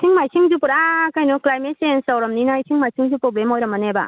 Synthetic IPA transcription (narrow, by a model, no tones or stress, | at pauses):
sʰiŋmajsʰiŋzupuɾakajnɔklajmet̚sajnsawɾɐmninaisʰiŋmajsiŋzupɾoblemojɾɐmɐneba̰